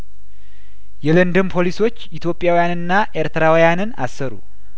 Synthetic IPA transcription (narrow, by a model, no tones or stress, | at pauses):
jɛlənd̪ɨmpʰo̞liso̞t͡ʃːit̪ʰjo̞pʼːjawijanɨnːaʔeɾt̪ʰəɾawijanɨna̰sːəɾṵ